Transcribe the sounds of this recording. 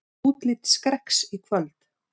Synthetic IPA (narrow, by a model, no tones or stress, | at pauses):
uːt̪lɪt̪skɾɛhksikʰvœlt̪